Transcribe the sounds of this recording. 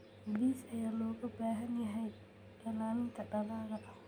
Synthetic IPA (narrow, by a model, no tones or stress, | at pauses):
hliːsɐjaːlɔːɣɐbaːɦɐnjɐɦɛj | ɐlaːmɪŋt̪ʰɐɖɐlaːðɐʔɐ